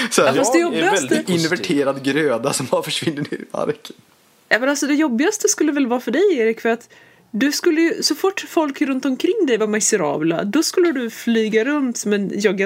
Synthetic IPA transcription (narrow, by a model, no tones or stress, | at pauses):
sɔfastd̪ɛjɔbɪɡast̪əɪnvæʈʰeːɾad̪ɡɾøːd̪asɔmaɾfœʂvɪnːənɪɾɪva̰ɾkʰə | jɑːmɛnalsɔd̪ɛjɔbːɪɡast̪əskɵlːəvɛlvɑːɾfœɖɛjeːɾɪkfœɾat̪ | d̪ɵskɵlːəjɵsɔfʊʈːfɔlkɾɵnt̪ɔmkʰɾɪŋːd̪ɛjvamasɛɾɑ̰ːbla̰d̪ɔskɵlːəd̪ɵflyːɡaɾɵnt̪mɛnjɑːɡa